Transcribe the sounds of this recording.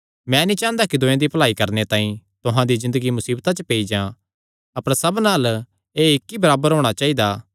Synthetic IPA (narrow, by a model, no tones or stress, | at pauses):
mɛ̃ːnĩt͡ʃãːənd̪akid̪ʊ̃jẽd̪ipɐlaːikɐɾnet̪ãːĩt̪ʊɦãd̪izɪ̃nd̪əɡimʊsiːbt̪at͡ʃəpeːid͡ʒãː | ɐpəɾsɐbnaːl | eːɪkːibɐɾaːbəɾɦoːɽ̃at͡ʃaːid̪aː